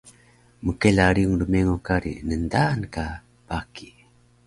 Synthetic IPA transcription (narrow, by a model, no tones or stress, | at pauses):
məkelaɾiuŋɾumeŋokaɾḭnəndanka | paki